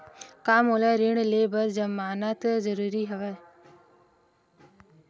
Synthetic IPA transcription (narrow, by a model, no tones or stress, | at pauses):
kaːmɦoːlɛːɾɪɳleːbəɾd͡ʒəmaːnat̪zəɾuːɾiɦɐʋɛː